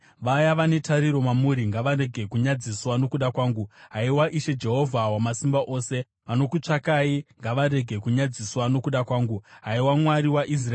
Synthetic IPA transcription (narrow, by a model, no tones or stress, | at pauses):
ʋajaʋane̞tʰaɾiɾo̞mamuɾiŋɡaʋaɾe̞ɡʱe̞kuɲad͡ziswano̞kuɗakwaːŋɡuɦaiwaʔiʃe̞d͡ʒe̞ɦo̞vʱawamasimbaʔo̞ːse̞ | ʋano̞kut͡ʂakaiŋɡaʋaɾe̞ɡʱe̞kuɲad͡ziswano̞kuɗakwaːŋɡuɦaiwamwaɾiwaʔis̬raː